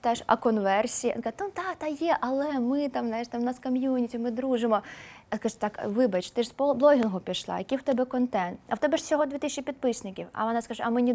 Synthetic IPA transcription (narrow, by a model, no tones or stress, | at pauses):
t̪aʃɐ̰kɔnʋɛrsʲḭkanud̪ɑt̪ɑjɛʔɐlˠɛmɪt̪ɑmznajʂt̪amnɐskɐmʲjunʲitʲimɪd̪ɾuʒɪmɔskɐʒut̪ɑkʋɪbɐt͡ʃt̪ɪʂspblˠɔɦʲinɦʊpʲiʃlˠɑ̰jɐkʲiwt̪ɛbɛkɔnt̪ɛnt̪ɐ̰wt̪ɛbɛʂsʲɔɦɔd̪ʋʲit̪isʲt͡ʃʲːipʲid̪̚pɪsʲnɪkʲiwɐ̰ʋɔnɑskɐʒɛɐmɪnʲi